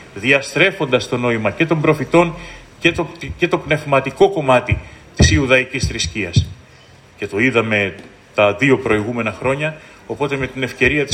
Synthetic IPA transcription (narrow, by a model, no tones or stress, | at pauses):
ðiɐst̪ɾe̞fo̞nd̪ɐst̪o̞no̞imɐce̞t̪o̞mbɾo̞fit̪o̞ncet̪oce̞t̪o̞pne̞vmɐt̪iko̞ko̞mɐt̪it̪isiuðɐicisθɾisciɐs | ce̞t̪o̞iðɐme̞ | t̪ɐðio̞pɾo̞iɣume̞nɐxɾo̞ɲɐ | o̞po̞t̪e̞me̞t̪ine̞fce̞ɾiɐt̪i